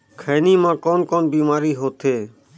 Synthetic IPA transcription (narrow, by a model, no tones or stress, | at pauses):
kʰeːniːmãːkoːnkoːnbiːmaːɾiːɦoːt̪ʰeː